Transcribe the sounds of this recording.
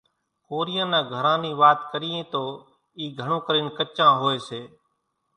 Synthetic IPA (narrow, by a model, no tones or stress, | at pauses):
koːɾijãːnãːɡʱəɾãːniːʋaːt̪kəɾiːẽːt̪oː | iːɡʱəɳõːkəɾɪnkət͡ʃãːɦoːeːseː